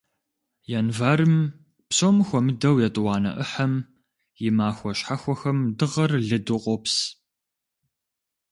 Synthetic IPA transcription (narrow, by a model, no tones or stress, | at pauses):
jɛnvaːɾɨm | psoːmɨxʷɔmɨdɐwjɛtʼɨwɑːnɐ̰ʔəħɐm | jɪmaːxʷɔɕħaxʷɔxɐmdɨʁɐrɮɨdɨqʷʼɔps